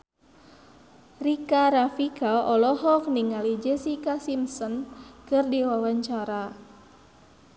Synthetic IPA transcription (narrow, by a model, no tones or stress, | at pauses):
rikaɾafikaɔlɔɦɔk̚niŋalid͡ʒɛsikasimsɔnkɨrdiwawaɲt͡ʃaɾa